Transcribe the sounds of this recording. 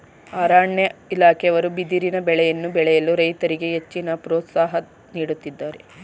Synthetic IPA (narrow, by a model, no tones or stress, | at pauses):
aːɾaːɳjɐilaːkʰɛjɐʋɐɾubid̪iɾinɐbɛɭɛjɐnːubɛɭɛjɐluɾɐjt̪ɐɾiɡe̞ɦet͡ʃːinɐpɾɔːt̪saːɦɐ | niːɽut̪ːid̪ːaːɾe